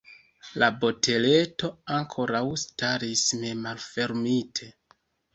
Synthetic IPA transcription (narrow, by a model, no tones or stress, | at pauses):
labo̞tʰe̞le̞to̞aŋkʰo̞ɾawstaɾisme̞malfe̞ɾmitʰe̞